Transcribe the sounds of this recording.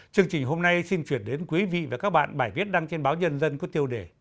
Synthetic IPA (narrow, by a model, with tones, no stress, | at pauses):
t͡ɕɨ˧əŋt͡ɕï˨˩ŋ̟ɦo˧mna˧jsi˧nt͡ɕwi˧˩ənɗe˨˦nkwi˨˦vḭ˧˨vḛ˨˩kaː˦˥k̚ɓa̰ː˧˨nɓaː˧˩jvi˦˥t̚ɗa˧ŋt͡ɕe˧nɓaː˨˦wɲə˧nzə˧nku˧˩ət̪i˧əwɗe˧˩